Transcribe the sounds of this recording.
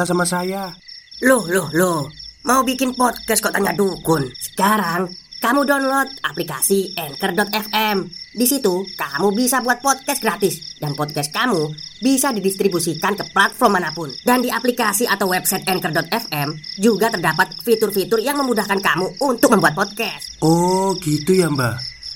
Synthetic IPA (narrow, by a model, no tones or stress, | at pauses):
asamasajalʊhlʊhlʊhmaubikɪnpɔd̪̚kɛs̚kot̪aɲadukʊnsə̥kaɾaŋkamudɔnlɔt̪̚aplika̰siɛnkərdɔt̪̚ɛfɛmdisit̪ukamubisabuat̪̚pɔd̪̚kɛst̪ɡɾat̪ɪsdanpɔd̪̚kɛs̚kamubisadidist̪ɾibusikankəplat̪fɔrmanapʊndandiaplikasiʔat̪awwɛbsajt̪̚ɛnkərdɔt̪ɛfɛmd͡ʒuɡat̪ərdapat̪̚fit̪ʊrfit̪ʊrjaŋməmudahkankamuunt̪ʊk̚məmbuat̪̚pɔd̪̚kɛst̪oɡit̪ujambah